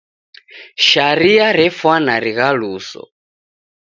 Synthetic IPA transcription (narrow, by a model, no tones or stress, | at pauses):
ʃaɾiaɾɛfwanaɾiɣaluːsɔ̰